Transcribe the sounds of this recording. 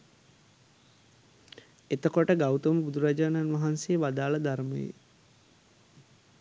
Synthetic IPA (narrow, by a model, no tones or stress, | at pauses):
et̪əkoʈəɡawt̪əməbud̪uɾad͡ʒaːnanʋaɦansejəʋad̪aːləd̪aɾmə̰jḛ